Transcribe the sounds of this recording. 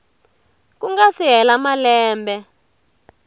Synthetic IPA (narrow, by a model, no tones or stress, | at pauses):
k̬uŋɡasiɦɛlamalɛːmbɛ